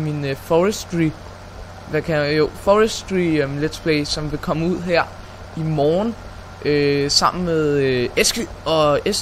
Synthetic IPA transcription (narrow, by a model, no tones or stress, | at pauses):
minfɒʁsd̥ʁi | ʋækʰæjo̝fɒəsd̥ʁimled̥spʰleɪsɒ̽mʋe̝kʰɒ̽məuð̞̰ˠɦeɐ̰ | imɒːn | ʔøsɑ̈m̰n̩meðˠesɡ̥y | ɒ̽es